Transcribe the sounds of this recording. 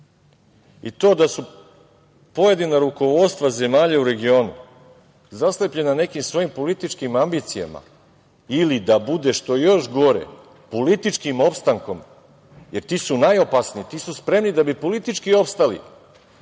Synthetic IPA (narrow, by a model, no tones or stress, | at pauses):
it̪o̞ːd̪asu | po̞je̞d̪inaɾuko̞ʋo̞t̪st̪vʋaze̞maːʎauɾe̞ɡio̞ːnṵ | zaslepʎe̞nane̞kimsʋo̞jimpo̞lit̪it͡ʃkimambiːt̪sija̰ma̰ | ilid̪abud̪e̞ʃt̪o̞jo̞ʃɡo̞ɾḛ | po̞lit̪it͡ʃkimo̞pst̪aŋko̞m | je̞ɾt̪iːsunajo̞pasnit̪iːsuspɾe̞mnid̪abipo̞lit̪it͡ʃkio̞pst̪alḭ